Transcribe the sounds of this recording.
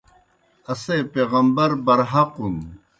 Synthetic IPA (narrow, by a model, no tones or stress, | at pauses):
ɐseːpeːɣɐmbɐɾbɐɾɦɐqun